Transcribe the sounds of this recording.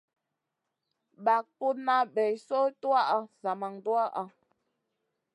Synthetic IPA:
ba˨k̚pu˦na˦bɛ˨jso˦twa˦ʔa˦za˨ma˨ŋdwa˦ʔa˦

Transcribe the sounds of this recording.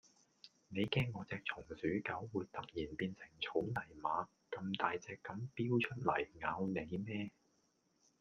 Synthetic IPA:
ne˨˧jkɛː˥nŋɔː˨˧t͡sɛː˨˧k̚t͡sʰʊ˨˩ŋsyː˨˥kɐ˨˥wːuː˨˧jt̪ɐ˨k̚jiː˨˩npiː˧nsɪ˨˩ŋt͡sʰo˨˥wnɐ˨˩jmaː˨˧ | kɐ˧mt̪aː˨jt͡sɛː˧kːɐ˨˥mpiː˥wt͡ʃʰɵ˥t̚lɐ˨˩jŋaː˨˧wne˨˧jmɛː˥

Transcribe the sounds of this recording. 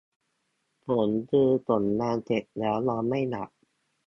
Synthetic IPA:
pʰo˩˦ntɯː˧t̪o˨˩nːaː˧nt͡ɕe˨˩t̚lɛː˦˥wlɔː˧ma˥˩jna̰˨˩ʔ̚

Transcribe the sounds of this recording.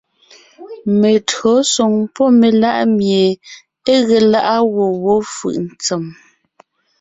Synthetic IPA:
me˨tɰɔ˨˦sɔ˨ŋpɔ˦me˨la˦ʔmje˨ | e˦ɣe˨la˦ʔa˦ɣo˨wɔ˦fɯ̰˨ʔn̩˨t͡se˨m

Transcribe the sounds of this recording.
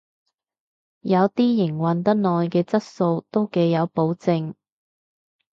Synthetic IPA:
jɐ˨˧wt̪iː˥jɪ˨˩ŋwɐ˨nt̪ɐ˥t̚nɔː˨jkɛː˧t͡sɐ˥t̚so˧wt̪o˥wke˨˧jjɐ˨˧wpo˨˥wt͡sɪ˧ŋ

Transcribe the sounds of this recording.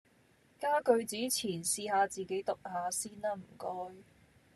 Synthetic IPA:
kaː˥kɵ˧ɥt͡siː˨˥t͡sʰiː˨˩nsiː˧haː˨˧t͡siː˨˩ke˨˥jt̪ʊ˨k̚haː˨˧siː˥naː˥m̩˨˩kɔː˥j

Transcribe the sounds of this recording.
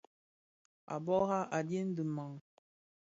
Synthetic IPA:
a̰˨bɔ˦ɣa˦ʔa˨dje˦n̩˦dɨ˨ma˨ŋ

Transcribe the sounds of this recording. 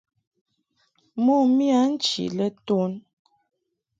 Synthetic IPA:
mo˦˨mi˦a˨˦n̩˦t͡ʃḭ˨lə˦to˦n

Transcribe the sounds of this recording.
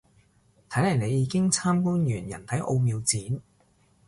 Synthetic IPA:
t̪ʰɐ˨˥jlɐ˨˩jne˨˧jiː˨˧kɪ˥ŋt͡sʰaː˥mkuː˥njyː˨˩njɐ̰˨˩nt̪ʰɐ˨˥jʔo˧wmiː˧wt͡siː˨˥n

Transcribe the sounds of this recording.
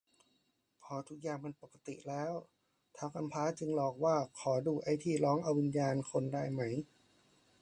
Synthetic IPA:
pʰɔː˧˩t̪ʰu˨˦˩k̚jaː˧˩ŋma˧npo˨˩kːa˧t̪ḭ˨˩ʔlɛː˦˥w | t̪ʰaː˧˩wkʰa˧mpʰaː˦˥t͡ɕɯ˧ŋlɔː˨˩k̚waː˧˩kʰɔː˩˦duː˧˩ʔa˧jt̪ʰiː˧˩lɔː˦˥ŋʔa˧wːi˧njaː˧nkʰo˧ndaː˥˩jma˦˥j

